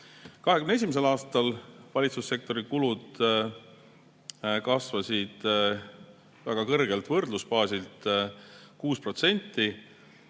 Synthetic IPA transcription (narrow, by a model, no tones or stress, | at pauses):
kɑɦekymnes̬imes̬e̞lɑːst̪ɑlvɑlʲit̪susːe̞k̚t̪o̞ɾikulud̪̥ | kɑsvɑsid̪̥ | væɡ̥ɑkɤrɡ̥e̞lt̪vɤrd̪luspɑːsilt̪ | kuːspro̞t̪se̞nʲt̪ːi